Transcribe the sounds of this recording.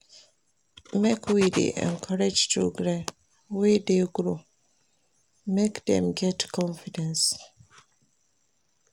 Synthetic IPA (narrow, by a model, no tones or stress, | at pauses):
mekʰwidḛʔɛ̰̃nkʰaɹed͡ʒtʰo̰ɡɾɛ | wɛdeɡɾo | mekdɛ̰̃mɡɛtkʰɔ̃nfidɛ̃ns